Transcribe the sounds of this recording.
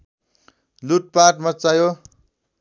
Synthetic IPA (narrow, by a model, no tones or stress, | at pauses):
luʈ̚paʈmʌt͡sajo